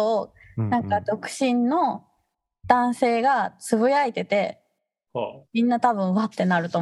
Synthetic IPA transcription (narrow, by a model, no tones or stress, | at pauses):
nãŋkad̪o̞kɯ̟̥ɕĩnːo̞ | d̪̥ãɰ̃se̞ːɡat͡sɨβɯ̟jait̪e̞t̪e̞ | mʲĩnːat̪aβɯ̟̃ɰ̃βat̪ːe̞naɾɯ̟t̪o̞